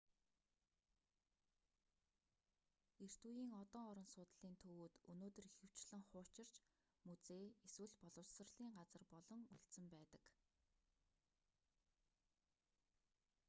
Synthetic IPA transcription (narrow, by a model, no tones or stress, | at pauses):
er̥t̪ujiːŋɔt̪ɔːɔɾɞ̆nsʊːt̪ɮiːnt̪ʰɵwuːt̪ɵnoːt̪ɵ̆rixɘ̆w̥t͡ɕɮɘ̆ŋχʊːt͡ɕɪ̆r̥t͡ɕ | mut͡seːeswɘ̆ɮpɔɮɞ̆wsə̆rɮiːŋɢat͡sə̆rpɔɮɞ̆ŋuɮsɘ̆mpæːt̪ə̥̆k